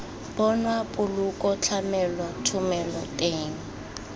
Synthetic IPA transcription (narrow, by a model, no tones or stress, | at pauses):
b̥ɔnwapʼʊlukʼɔt͡ɬʰamɛlwatʰʊmɛlɔtʼeːŋ̩